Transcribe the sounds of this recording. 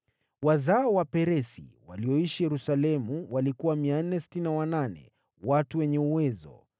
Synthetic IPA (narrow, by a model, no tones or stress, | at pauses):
wazaɔwapɛɾɛsḭwaliɔiʃijɛɾusalɛmuwalikuwamian̩nɛsi̥tininawananɛ̰ | watuwɛɲɛuwɛzɔ̰